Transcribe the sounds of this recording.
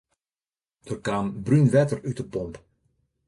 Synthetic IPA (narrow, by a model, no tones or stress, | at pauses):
d̥ərkaːmbrynʋɛtərytəpɔmp